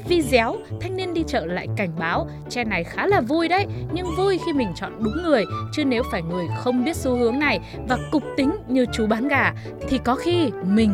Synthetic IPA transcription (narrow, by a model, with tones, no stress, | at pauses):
vi˧zɛ˨˦wt̪ʰa˧jŋ̟ni˧ənɗi˧t͡ɕə̰ː˧˨la̰ː˧˨jka˧˩jŋ̟ɓaː˨˦w | t͡ɕɛ˧na˨˩jxaː˨˦laː˨˩vu˧jɗə˦jɲɨ˧ŋvu˧jxi˧mï˨˩ŋ̟t͡ɕɔ̰˧˨nɗʊ˨˦ŋ͡mːɨ˨˩əjt͡ɕɨ˨˧˦ne˨˦wfaː˧˩jŋɨ˨˩əjxə˧wŋ͡mɓi˦˥ət̚su˨˦hɨ˨˦əŋna˨˩j | vaː˨˩kʊ˨˩k͡p̚t̪ï˨˦ŋ̟ɲɨ˨˩t͡ɕu˨˦ɓaː˨˦nɣaː˧˩ | t̪ʰi˨˩kɔ˨˦xi˧mï˨˩ŋ̟